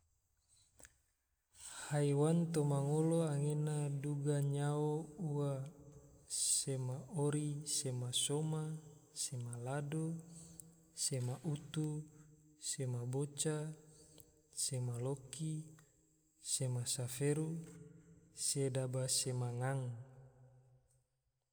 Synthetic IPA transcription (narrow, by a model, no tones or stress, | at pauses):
haiwant̪omaŋoloaŋenaduɡaɲaouwa | semaoɾisemasomasemalado | semaʔut̪u | semabot͡ʃa | semaloki | semasafeɾu | sedabasemaŋaŋ